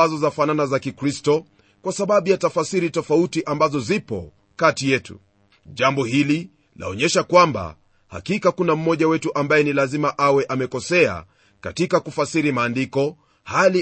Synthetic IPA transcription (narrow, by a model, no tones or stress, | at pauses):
azɔzafananazakikɾistɔ | kwasaɓaɓujatafasiɾitɔfautiʔambazɔzipɔ̰ | katijɛtṵ | ʄambɔhili | lʔa̰ɔɲɛʃakwamba̰ | ha̰kikakunam̩mɔʄawɛtuʔambajɛnilazimaʔawɛʔamɛkɔsɛa̰ | ka̰tikakufasiɾimaːndikɔ | hali